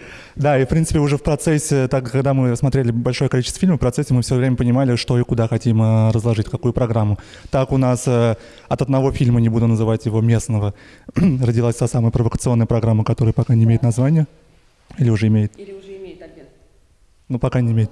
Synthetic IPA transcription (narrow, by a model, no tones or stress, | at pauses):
d̪aifpɾʲint̪sɨ̥pʲɪʊʐɛfpɾɐt̪sɛsʲɪt̪akaɡd̪amɨsmɐt̪ɾʲelʲɪbɐlʲʂo̞jəkɐlʲit͡ɕɪst̪vəfʲilʲməfpɾɐt̪sɛsʲːɪmɨfsʲvʲovɾʲemʲəpənʲɪmalʲɪʂt̪o̞ikʊd̪axɐtʲimərəzlˠɐʐɨtʲkɐkujʊpɾɐɡɾamːʊ | t̪akʊnasə | ɐt̪əd̪nɐvo̞fʲilʲmənʲɪbud̪ʊnəzɨvatʲjɪvo̞mʲe̞snəvə | rədʲɪlˠasʲt̪asaməjəpɾəvəkət̪sɨo̞nːəjəpɾɐɡɾamːəkɐt̪o̞ɾəjəpɐkanʲɪmʲejɪt̪nɐzvanʲɪjə | ilʲɪʊʐɛɪmʲejɪt̪ | nupɐkanʲɪɪmʲeɪt̪